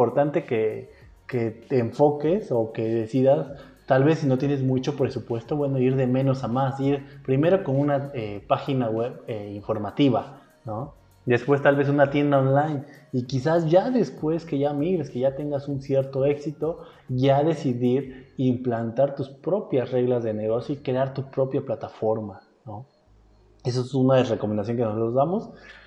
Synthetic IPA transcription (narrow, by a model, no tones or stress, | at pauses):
po̞ɾt̪ant̪e̞ke | keeɱfo̞ke̞so̞ke̞ðe̞siðas | t̪alβe̞sːino̞t̪je̞nezmut͡ʃo̞pɾe̞supwe̞st̪o̞βwe̞noiɾðe̞mẽ̞no̞samasiɾpɾime̞ɾo̞ko̞nũnaepaxinaɣweβeiɱfo̞ɾmat̪iβa | no | d̪e̞spwe̞st̪alβe̞s̬unat̪je̞nd̪aonlajnikis̬asʝaðe̞spwe̞ske̞ʝamiɣɾe̞ske̞ʝat̪e̞ŋɡasunsje̞ɾt̪o̞e̞ksit̪o̞ | ʝaðe̞siðiɾimplant̪aɾt̪uspɾo̞pjasre̞ɣlazðene̞ɣo̞sjoikɾe̞aɾt̪upɾo̞pjaplat̪afo̞ɾma | no̞ | esoesunaðreko̞mend̪as̬joŋkenosot̪ozðamo̞s